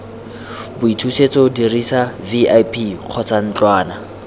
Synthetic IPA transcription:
bʊitʰuset͡sʼɔdirisaviajpʰiq͡χʰɔt͡sʰan̩t͡ɬwaːna

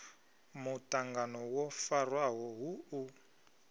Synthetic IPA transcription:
mutaŋɡanɔwɔfarwaɦɔɦuu

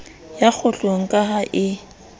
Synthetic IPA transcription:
jak͡xʰʊɬʼoŋ̩kʼaɦaʔɪ

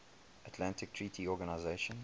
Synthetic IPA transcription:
atʰlãntɪk̚tʰɹiːtʰiɔɡanaɪzeɪʃə̃n

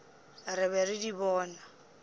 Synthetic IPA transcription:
rɪβɛɾɪdibɔːna

